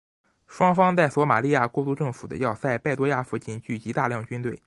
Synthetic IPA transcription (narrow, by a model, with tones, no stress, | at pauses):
ʂwɑ˥ŋfɑ˥ŋt͡sa˥˩ɪswɔ˧˥ma̰˨˩li˥˧ja˥˩kwɔ˥˧t̪u˥˧ʈ͡ʂɤ˥˩ŋfu˨˩d̪ə̰˦jɑ˥˧ʊsa˥˧ɪpa˥˩ɪt̪wɔ˥ja˥˩fu˧˥t͡ɕi˥nt͡ɕy˥˩t͡ɕi˧˥t̪a˥˧ljɑ˥˩ŋt͡ɕy˥nt̪we˥˩ɪ